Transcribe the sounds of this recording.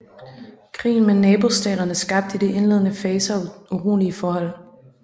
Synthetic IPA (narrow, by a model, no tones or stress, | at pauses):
kʰʁḭːn̩menɛːb̥o̝sd̥ɛ̰ːɾɐnəsɡ̥ɑ̈b̥̚d̥id̥e̝ʔe̝nle̝ðˠənəfɛːsəɒʔuʁṵːliəfɒːhɒ̽l̰